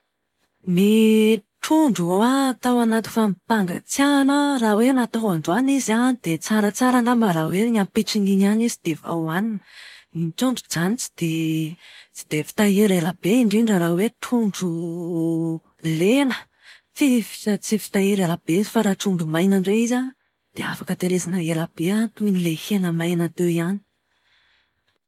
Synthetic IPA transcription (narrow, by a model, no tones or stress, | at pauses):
miʈ͡ʂʰuɳɖ͡ʐuowat̪awanat̪u̥famipaŋɡa̰t͡sjanərawenat̪oanɖ͡ʐuanizanid̪̥et͡saɾət͡saɾanambaɾaweɲampiʈ͡ʂiniɲanizid̪̥eva̰waninəint͡ʃuɳɖ͡ʐud͡zanit͡si̥d̪̥e | t͡si̥d̪̥efi̥t̪aeɾelab̥eiɳɖ͡ʐinɖ͡ʐaɾawet̪ʰuɳɖ͡ʐu | lenə̥ | fifi̥at͡sifi̥t̪aeɾelab̥ezifaɾaʈ͡ʂumbumajnəɳɖ͡ʐeiza | d̪̥eafakət̪eɾezanəelab̥eat̪unilehenəmajnat̪eiani̥